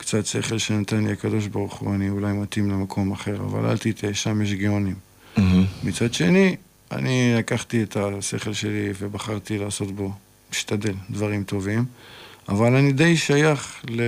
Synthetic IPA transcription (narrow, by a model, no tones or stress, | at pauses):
kt͡sat̪se̞χe̞lʃenat̪anliakad̪o̞ʃ̬baʁuχṵaniulajmat̪imlemakʰo̞maχe̞ʁa̰va̰la̰lt̪it̪ʰeʃamjeʃ̬ɡionim | mit͡sad̪ʃe̞ni | a̰nilakaχt̪iet̪ase̞χe̞lʃe̞livebaχaʁt̪ilaːso̞t̪bo̞ | miʃtad̪e̞ld̪vaʁimt̪o̞vimavalanid̪ejʃajaχle